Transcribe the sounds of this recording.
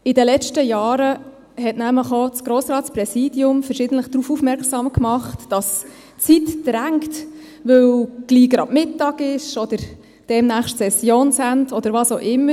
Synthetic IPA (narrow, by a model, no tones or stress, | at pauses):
ɪdəlɛt͡ʃtəjɑːɾə | hɛtnæmləχɔt͡sɡ̥ɾoːsɾɑːtspɾɛsiːdjʊmfɛɾʃɪːdəntləχd̥̪ɾuːfufmɛɾksɑːmkmɑχtd̥ɑs | t͡sitd̥ɾæŋkt | ʋɵwɡ̥liːɡɾɑ̰dmɪtːɑːɡɪʃɔd̥əɾ | d̥ɛmnæːχʃtsɛsjoːnsæntɔd̥əɾʋɑːsoʔɪmːə